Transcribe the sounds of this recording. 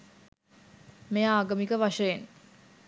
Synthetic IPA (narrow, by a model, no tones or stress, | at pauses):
mejaːɡɐmikəʋaʂəjen